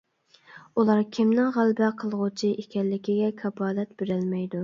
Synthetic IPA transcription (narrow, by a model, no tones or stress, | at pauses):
ulˠɑɾkʲʰɪmnɪŋʁælbɛqʰəlˠʁʊt͡ʃʰiʔekʲɛlːɪkʲiɡʲɛkʲʰɑbɑːlɛt̪b̥ɪɾɪlmɛjd̪u